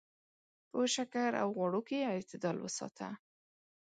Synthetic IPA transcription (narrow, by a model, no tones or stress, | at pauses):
pəʃakaɾa̰wɣwɑɽokeɪt̪ɪd̪ɑlwə̰sɑ̰t̪ʰa̰